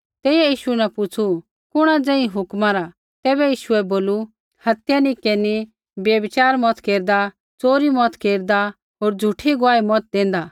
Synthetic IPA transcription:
t̪ɛːɛjiːʃuɛnɛ̃pʊt͡sʰu | kʊɽ̃ad͡zɛ̃ːĩɦʊkmãɾa | t̪ɛːbɛjiːʃuɛboːlu | hɐt̪janĩkeni | bjebɪt͡ʃaːɾmɔt̪keːɾd̪a | t͡soːɾimɔt̪keːɾd̪a | ɦoːɾd͡zʱʊʈʰiɡʊaːimɔt̪̚d̪ẽːn̆d̪a

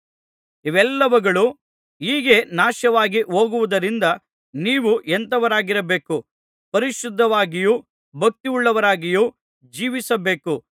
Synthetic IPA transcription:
iʋɛlːɐʋɐɡɐɭu | iːɡe̞naːʃɐʋaːɡiɦo̞ːɡuʋud̪ɐɾind̪ɐ | niːʋuʔɛnt̪ɐʋɐɾaːɡiɾɐbe̞ːku | pɐɾiʃud̪ʱːɐʋaːɡijuː | bʱɐk̚t̪iuɭːɐʋɐɾaːɡijuː | d͡ʒiːʋisɐbe̞ːku

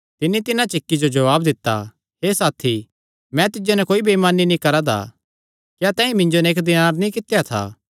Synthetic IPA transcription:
t̪ɪnːit̪ɪnãt͡ʃɪkːid͡ʒod͡ʒɐʋaːb̚d̪ɪt̪ːa̰ | ɦeːsaːt̪ʰi | mɛ̃t̪ɪd͡ʒonɛkoːibemaːninĩkɐɾad̪a̰ | kjaːt̪ɛ̃ːĩmɪ̃nd͡ʒonɛeːkd̪ɪnaːɾnĩkɪt̪ːjat̪ʰa̰ː

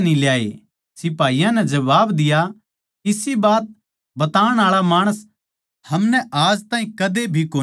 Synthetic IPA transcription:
niljaːḛ | sɪpaːijãnɛd͡ʒɐbaːbd̪ɪja | kɪsibaːt̪̚ | bɐt̪aːəɽ̃aːɭamaːɽ̃əs | hɐmnɛʔaːd͡ʒt̪ãːĩkɐd̪ebʱikoː

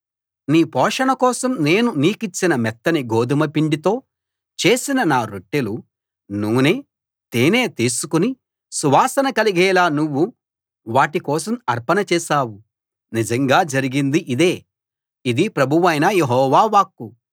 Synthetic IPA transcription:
niːpɔːʂɐɳɐkɔːsɐmne̞ːnuniːkit͡ʃːinɐmɛt̪ːɐniɡoːd̪ʱimɐpiɳɖit̪o̞ː | t͡ʃe̞ːsinɐnaːɾoʈːelu | nuʋneː | t̪eːne̞ːt̪iːsukuni | suʋaːsɐnɐkɐliɡɛːlaːnuʋːu | ʋaːʈikɔːsɐmɐɾpɐnɐt͡ʃɛːʃaːwu | nid͡ʒɐŋɡaːd͡ʒɐɾiɡind̪iʔid̪eː | id̪ipɾɐbʱuʋɐjnɐjeɦɔːʋaːʋaːkːu

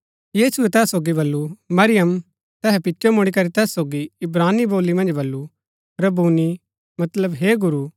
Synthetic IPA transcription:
jiːsʊɛt̪ɛːssoːɡibɐlːumɐɾɪjəm | t̪ɛːɦɛpɪːʃomʊɽ̃ikɐɾit̪ɛːsːoːɡiɪbɾaːnːiboːlːimɐ̃nd͡ʒbɐlːu | ɾɐbuːni | mɐt̪ləbɦeːɡʊɾuː

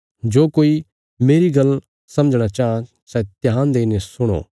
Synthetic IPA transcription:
d͡ʒoːkoːi | meːɾiɡɐl | sɐ̃məd͡ʒɽ̃at͡ʃaːã | sɛt̪ɪjãːnd̪eːnesʊɽ̃o̰ː

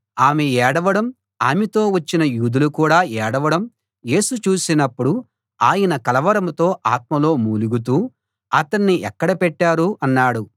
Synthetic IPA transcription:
aːmeɛːɽɐʋɐɽɐm | aːmet̪o̞ːʋɐt͡ʃːinɐjuːd̪ulukuːɽaːɛːɽɐʋɐɽɐm | je̞ːsut͡ʃuːsinɐpːuɽu | aːjɐnɐkɐlɐʋɐɾɐmt̪o̞ːʔaːt̪̚mɐlo̞ːmuːluɡut̪̬uː | ɐt̪ɐɳːiʔɛkːɐɽɐpɛʈːaːɾuɐnːaːɽu

